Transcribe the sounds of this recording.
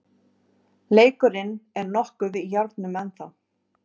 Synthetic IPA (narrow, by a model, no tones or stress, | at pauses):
leːjkʏɾɪnɛɾnɔhkʏvɪjaɾt̪nʏmɛnθaw